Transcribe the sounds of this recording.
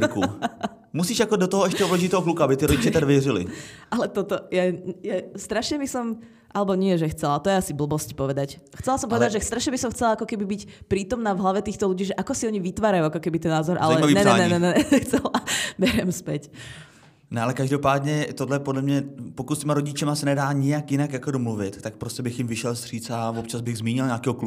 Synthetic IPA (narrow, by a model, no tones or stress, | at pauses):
kṵ | musiːʃjakɔdɔt̪ɔɦɔɛʃcɛɔblɛʒit̪ɛɦɔklukuabɪt̪iɾɔɟit͡ʃɛt̪aɡʋjɛrɪlḭʔalɛt̪ɔt̪ɔjajast̪ɾaʃɲɛbisɔm | ʔalɛbɔɲɪɛʒɛxt͡sɛlat̪ɔjɛasibl̩bɔscpɔʋɛd̪ac | xt͡sɛlasɔmpɔʋɛɛd̪aɟʒɛst̪ɾaʃɲɛbisɔmxt͡sɛlaakɔkɛbibicpɾiːt̪ɔmnaːvɦlaʋɛt̪iːxt̪ɔluɟiːʒɛʔakɔsiɔɲiʋit̪ʋaːɾajuakɔkɛbit̪ɛnːaːzɔɾʔa̰lɛnɛɛnɛnɛɛxt͡sɛlabɛɾɛmspɛc | nɛalɛkaʒdopaːd̪ɲɛt̪odlɛpodlɛmɲɛpokut̪st̪ɛmaɾoɟɪt͡ʃɛmasɛnɛdaːɲɪjakjɪnakjakodɔmluvɪt̪t̪ːak̚pɾoscɛbɪxjɪmvɪʃɛlst̪r̝̥iːt͡savɔpt͡ʃazbɪɣzmiːɲɪlɲaːkɛːɦɔklu